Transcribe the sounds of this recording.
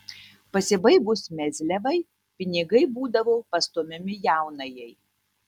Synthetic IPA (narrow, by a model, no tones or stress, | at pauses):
pɐsʲɪbɐɪbʊsmʲɛzʲlʲɛʋɐɪ | pʲɪnʲɪɡɐɪbuːd̪ɐʋopɐst̪omʲɪmʲɪjæˑʊnɐjɛɪ